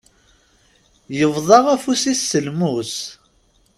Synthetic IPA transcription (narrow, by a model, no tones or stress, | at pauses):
jəvðˤɑʁæfusisːəlmus